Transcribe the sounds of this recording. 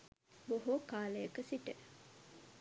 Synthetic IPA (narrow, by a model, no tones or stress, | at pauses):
boɦokaːlejɐkəsiʈə